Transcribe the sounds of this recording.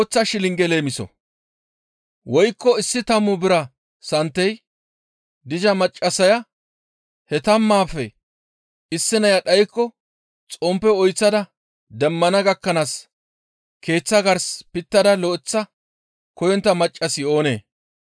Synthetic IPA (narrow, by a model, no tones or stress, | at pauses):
t͡sːɐʃɪlɪŋɡɛle̞ːmɪsɔ̰ | wɔjkːɔɪsːɪt̪ɐmːʊbɪɾɐ | sɐnt̪ːɛj | d̪ɪd͡ʒɐmɐt͡ʃʼːɐsɐjɐ | hɛt̪ɐmːaːfɛ | ɪsːɪnɐjɐɗɐjkːɔ | t͡sʼɔmpːɛɔjt͡sːɐd̪ɐ | d̪ɛmːɐnɐɡɐkːɐnaːs | kʰe̞ːt͡sːɐɡɐɾspɪt̪ːɐd̪ɐlɔːɪt͡sːɐ | kɔjɔnt̪ːɐmɐt͡ʃʼːɐsɪo̞ːne̞̰ː